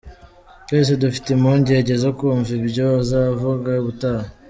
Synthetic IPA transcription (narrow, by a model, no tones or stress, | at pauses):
twe̞ːs̬edufi̥temoɲɟieɟezokuɱvibɟozavuɡaβutaa